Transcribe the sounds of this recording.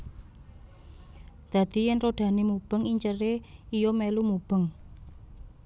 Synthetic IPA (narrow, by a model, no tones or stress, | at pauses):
d̪̥ä̤d̪̥i̤jɛnroɖ̪̥a̤nemub̥ə̤ŋiɲt͡ʃəreijomelumub̥ə̤ŋ